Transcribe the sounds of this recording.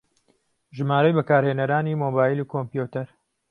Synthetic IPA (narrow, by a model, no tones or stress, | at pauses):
ʒɨmaːɾɐjbɐkaːɾheːnɐɾaːnimoːbaːjilukʰompjut̪ɐɾ